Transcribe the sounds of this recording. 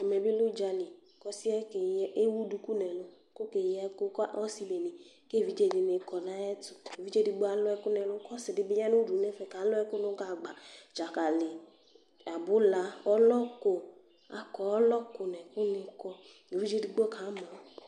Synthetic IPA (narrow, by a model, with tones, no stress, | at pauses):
ɛ˨mɛ̃˨bi˦lu˦d͡ʒa˨lĩ˨ | kɔ˦si˦ɛ˦ke˨je˦wu˦du˨ku˦nɛ̃˨lo˦ko˦ke˨jɛ˦ko˦kɔ˦si˦be˨nĩ˨ | ke˦˨vi˦d͡ʒe˦di˨ne˨˦kɔ˨nã˦ɛ˦tu˨e˨vi˦d͡ʒe˦di˨ɡ͡bo˦a˨lɔ˦ɛ˦ku˦nɛ̃˨lo˦kɔ˦sɪ˨dɪ˨be˦ɲa˦nũ˦du˨˦nɛ̃˦fɛ˦˨ka˨˦lɔ˦ɛ˦ko˦nõ˦ɡa˨ɡ͡ba˨d͡ʒa˨ka˨le˨ | a˨bʊ˦la˨wɔ˦lɔ˦ko˨ | a̰˨kɔ˨ɔ˦lɔ˦ko˨nɛ̃˨ko˦nĩ˨kɔ˦ | ɡe˨vi˦d͡ʒe˦di˨ɡ͡bɔ˦kʰa˨˦mã˨˦